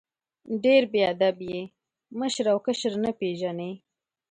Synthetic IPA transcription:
ɖeɾbead̪abje | məʃɾawkəʃɾnapeʒane

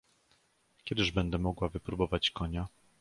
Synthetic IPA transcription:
kʲjɛd̪ɘʐbɛnd̪ɛmɔɡwavɘpɾubɔvat͡ɕkɔɲa

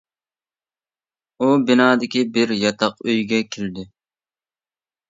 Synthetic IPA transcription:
ubɪnɑːd̪ɪkʲibɪɾjɑt̪ʰɑqøjɡʲɛkʲʰeld̪ɪ

